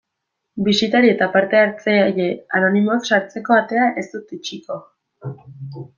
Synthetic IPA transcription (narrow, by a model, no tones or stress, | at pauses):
bisit̪aɾie̞t̪apaɾt̪e̞aɾt͡sejeano̞nimo̞aksaɾt͡se̞ko̞at̪e̞aʔe̞st̪ut̪it͡ʃiko̞